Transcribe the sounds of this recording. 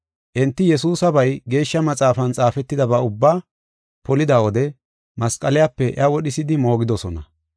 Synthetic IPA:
ʔɪnt̪ːɪjɛsuːsɐbɐjɡe̞ːʃːɐmɐt͡sʼaːfɐnt͡sʼaːfɛt̪ːɪd̪ɐbɐʊbːaː | pɔlɪd̪awɔd̪ɛ | mɐskʼɐlɪjapːɛʔɪ̰ɐwɔɗɪsɪd̪ɪmo̞ːɡɪd̪ɔsɔnɐ̰

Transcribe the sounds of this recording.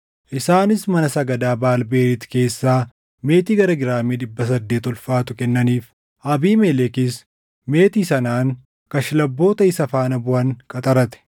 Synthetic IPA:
ʔɪsaːnɪsmɐnɐsɐɡɐd̪aːbaːlbe̞ːɾɪt̪ke̞ːsːaː | me̞ːt̪iːɡɐɾɐɡɪɾaːmiːᶑɪbːɐs̬ɐd̪ːe̞ːt̪ɔlfaːt̪ʊkɛnːɐniːf | ʔɐbiːmɛlɛkɪs | me̞ːt̪iːsɐnaːŋ | kɐʃɪlɐbːo̞ːt̪ɐɪsɐfaːnɐbʊʔɐŋkʼɐt̪ʼɐɾɐt̪ɛ̥

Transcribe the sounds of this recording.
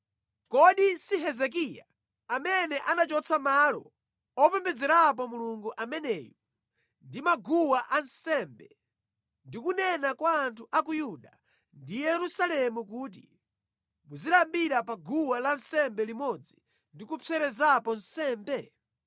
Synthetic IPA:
kɔɗisiɦɛzɛk̬ija̰ | amɛnɛʔanat͡ʃɔt͡sʰamalɔ̰ | ɔpɛmbɛd͡zɛɾap̬ɔmuluŋɡuʔamɛnɛːjɔ | ndimaɡuwaʔansɛːmbɛ | ndikunɛnakwaːntʰuʔakujuɗa | ndijɛɾusalɛmukuːt̬i | muzilambiɾapaɡuwalan̩sɛmbɛlimɔd͡zi | ndikupʰɛɾɛzapɔn̩sɛːmbɛ

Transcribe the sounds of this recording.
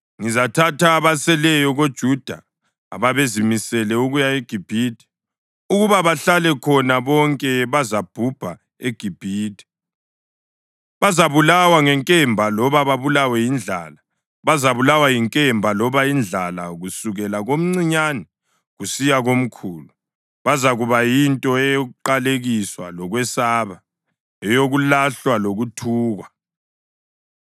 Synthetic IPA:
ŋizatʰatʰaːβasɛlɛjɔɣod̥ʒ̥ʱud̥ʱa̰ː | βaβezimisɛlɛuɣujaeɡ̥ʱib̥ʱiːdʼɛ̥ | uɣuβaβaɬalɛkʰɔnaβɔŋkʼɛβazab̥ʱub̥ʱa | eɡ̥ʱib̥ʱiːtʼi̥ | βazaβulawaŋɛŋkʼɛmbʱalɔβaβaβulawɛjind͡ɮʱa̰ːla | βazaβulawajiŋkʼɛmbʱalɔβaind͡ɮʱalaɣusuɣɛlaɣom̩ŋ͡ǀiɲanɛ | ɣusijaɣom̩kʰuːlu | βazaɣuβajintʼɔɛjɣuǃaleɣiswalɔɣwɛsaβa | ɛjoɣulaɬwaloɣutʰuːɣa

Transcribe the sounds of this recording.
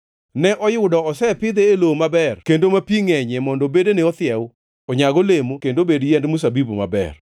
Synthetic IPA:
nɛʔɔjʊdɔɔsɛpɪd̪eːlomabɛrkendomapiŋɛɲɛmɔndɔbedeneɔt̪ɪɛw | ɔɲaɡɔlemokendobedjɛndmus̬abiboma̰bɛ̰r

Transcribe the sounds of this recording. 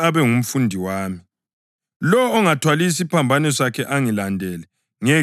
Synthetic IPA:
aβɛŋum̩fundʱiwaːmi | lɔːŋatʰwalis̬ipʰambʱanɛsakʰɛʔaŋilandʱɛlɛ | ŋɛ

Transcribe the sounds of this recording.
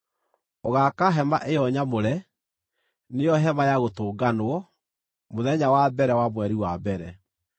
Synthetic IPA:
oɣakaɦɛmaʔejɔɲamoɾɛ | nejɔɦɛmajaɣotoːɡanoɔ | moðɛɲawabɛɾɛwamwɛɾiwabɛɾɛ

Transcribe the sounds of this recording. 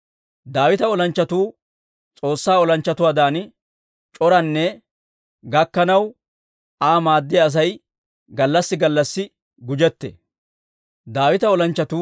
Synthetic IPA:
d̪aːwɪt̪ɐɔlɐnt͡ʃːɐt̪uː | t͡sʼo̞ːsːaːɔlɐnt͡ʃːɐt̪ʊwaːd̪aːn | t͡ʃʼɔɾɐnːɛ | ɡɐkːɐnɐw | aːmaːd̪ːɪjɐːs̬ɐj | ɡɐlːɐsːɪɡɐlːɐsːɪ | ɡʊd͡ʒɛt̪ːɛ̰ | d̪aːwɪt̪ɐɔlɐnt͡ʃːɐt̪uː

